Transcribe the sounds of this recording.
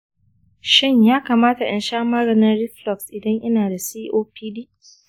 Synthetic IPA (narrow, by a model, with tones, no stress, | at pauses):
ʃɪ˦ɲjaː˦kaː˨maː˦ta˨ʔɐ̰˨nʃaː˦mɐ˦ɾɐ˨nɐ˦nɽɪ˦flɔ˨ksʔɪ˨dɐ˦ɲʔɐ˦naː˨da˨siː˦ʔoː˦piː˦diː˦